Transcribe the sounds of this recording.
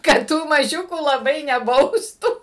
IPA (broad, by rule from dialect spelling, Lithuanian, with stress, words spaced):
kɐt ˈtuː mɐˈʒʲʊkuː lˠɐˈbɐɪ nʲɛˈbɐʊstuː